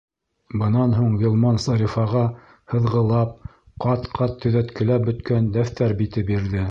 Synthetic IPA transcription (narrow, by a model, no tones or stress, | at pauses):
bɤ̆nɑnɦuɴɡʲilˠmɑnsɑɾʲifɑʁɑ | hɤ̆ðʁɤ̆lˠɑp̚ | qɑt̪qʰɑt̪ʰːɵ̆ðæt̪kɘ̆læp̚bɵ̆t̪kænd̪æft̪æɾbit̪ɘp̚biɾðɘ